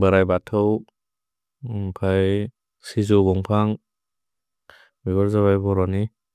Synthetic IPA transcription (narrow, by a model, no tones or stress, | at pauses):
bəɾajbatʰɔw | pʰaj | sizɔbɔŋpʰaŋ | biβaɾzaβajbɔɾɔni